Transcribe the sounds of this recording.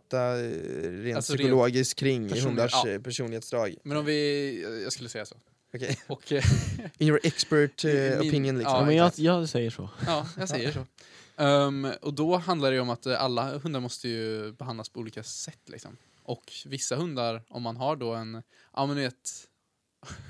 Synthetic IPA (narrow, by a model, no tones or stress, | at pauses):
t̪ːa | ɾeːnsʏɾkʊloːɡɪskkʰːɾɪŋːɦɵnd̪aʂpʰæʂuːnɪheːt̪sd̪ɾɑːɡmɛnɔmvɪjɑ̰ɡskɵlːəsɛjːaso̰ː | ɔkʰɛjɔk | ɪjɔʔɛkspæʈɔpʰɪnjənlɪɔmɛɑjɑsɛjːəʂɔ̰ɑːjɑsɛjːəʂɔ | ɔd̪ɔɦand̪laɖɛjəɔmat̪a̰lːaɦɵnd̪aɾmɔst̪əjɵbɛɦand̪laspʰɔuːliːkasɛt̪ːlɪ̰ksɔ̰m | ʔɔkvɪsːaɦɵnd̪aɾɔ̰mːanɦaɖɔɛnʔɑ̰ːmɛnd̪veːt̪